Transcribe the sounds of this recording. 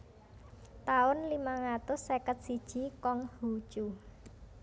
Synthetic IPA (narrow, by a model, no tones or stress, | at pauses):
t̪aʊnlimaŋat̪ʊsːekət̪̚sid̥ʒ̥i̤kɔŋhut͡ʃu